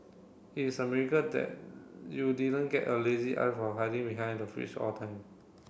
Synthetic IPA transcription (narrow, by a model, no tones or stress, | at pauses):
isəmɛɹikədɛ̰t̚judidə̃nɡɛtəleziʔa̰jfɔɦaɪdĩŋbiɦãɪ̃ndəfɹḭt͡ʃɔ̰tʰãɪ̃m